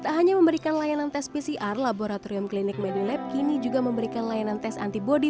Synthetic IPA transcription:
kit̪aɦaɲaməmbəɾikanlajanant̪ɛspisiʔarlaboɾat̪oɾiʊmklinɪk̚mɛdilɛp̚kinid͡ʒuɡaməmbəɾikanlajanant̪ɛsa̰nt̪ibodi

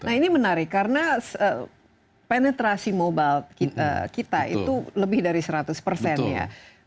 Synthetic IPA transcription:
naɦinimənaɾɪkːaɾənasə | penɛt̪ɾasimobalkiə̰kit̪a̰ḭt̪uləbɪhdaɾisəɾat̪ʊspərsɛnja̰

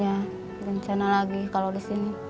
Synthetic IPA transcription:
a | ɾəɲt͡ʃanalaɡikalodisini

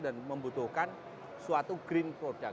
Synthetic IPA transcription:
danməmbut̪ʊhkan | suat̪uɡ̥ɾinpɾod̥a

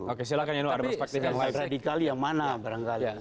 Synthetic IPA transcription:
okes̬ilakaɲanoaɾpɛrspɛk̚t̪ifjaŋaradikaljaŋmanabaɾaŋkala

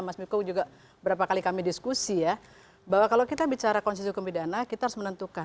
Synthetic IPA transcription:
masmikud͡ʒuɡa | bəɾapakalikamidiskusija | bawakalokit̪abit͡ʃaɾakɔnsis̬ukumpidanakit̪aaɾusmənənt̪uka

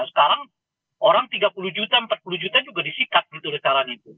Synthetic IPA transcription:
sə̥kaɾaŋ | oɾaŋt̪iɡapulud͡ʒut̪aəmpat̪̚pulud͡ʒut̪ad͡ʒuɡadisikat̪̚ɡit̪ulit͡ʃaɾanit̪u

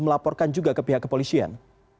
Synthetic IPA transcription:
məlapɔrkand͡ʒuɡakəpiɦakːəpolisia̰n

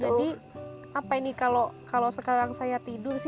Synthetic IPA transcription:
d͡ʒadi | apainikalokalosəkaɾaŋsajat̪idʊrsɪ

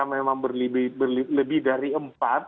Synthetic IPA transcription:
amemaŋbərlibɪbərliləbɪhdaɾiəmpat̪̚

